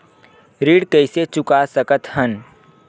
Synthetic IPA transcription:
ɾiːɽkəɪset͡ʃʊkasəkət̪hən

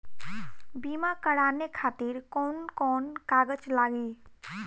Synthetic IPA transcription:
bimakəɽanekʰat̪iɾkɔnkɔnkaɡət͡ʃlaɡi

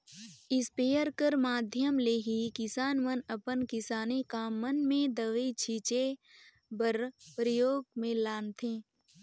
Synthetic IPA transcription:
ɪspeːəɾkəɾmaːd̪ʱjəmleɦikɪsaːnmənəpənkɪsaːnekaːmːənmẽd̪əʋit͡ʃʰiːt͡ʃe | bəɾpɾəjoːɡ̚mẽlaːnt̪ʰẽː

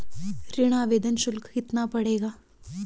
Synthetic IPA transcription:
ɾiɽ̃aːʋeːd̪ənʃulkkit̪napəɽeɡaː

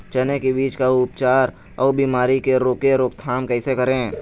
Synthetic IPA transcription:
t͡ʃənekebiːt͡ʃkaʊpt͡ʃaːɾ | ɔːbiːmaːɾikeɾoːkeɾoːkt̪ʰaːmkɛːsekəɾẽ

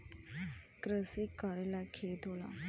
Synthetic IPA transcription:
kɾəsikːəɾelɛkʰeːt̪oːla̰ː

